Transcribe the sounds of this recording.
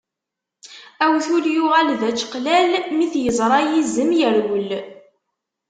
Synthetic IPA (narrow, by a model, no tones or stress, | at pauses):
æwθuljʊʁælðæt͡ʃːqlælmiθjəzˤɾˤɑjizːəmjəɾwəl